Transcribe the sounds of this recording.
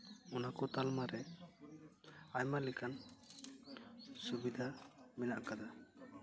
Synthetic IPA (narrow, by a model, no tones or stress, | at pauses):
ɔnakɔt̪almaɾɛ | ajmalɛkʰan | subid̪ʱamɛnaʔkad̪a